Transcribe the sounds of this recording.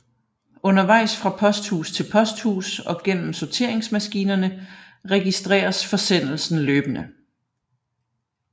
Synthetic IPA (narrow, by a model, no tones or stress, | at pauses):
ɔ̽nɐʋɑ̈ɪ̰sfʁɑ̈pʰɒ̽sd̥hṵːst͡sʰe̝lpʰɒ̽sd̥hṵːsɒ̽ɡ̥en̰m̩sɒt͡sʰe̝ɐ̰e̝ŋsmæsɡ̥iːnɐnə | ʁɛɡ̥isd̥ʁɛ̰ːɐsfɒ̽sen̰l̩sn̩løːb̥ənə